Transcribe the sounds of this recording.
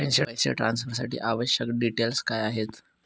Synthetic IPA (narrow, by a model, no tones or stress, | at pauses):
ent͡ɕeajt͡ɕḛʈɾansfəɾsaʈḭːʔaʋəɕjəkɖiʈelskajaɦet̪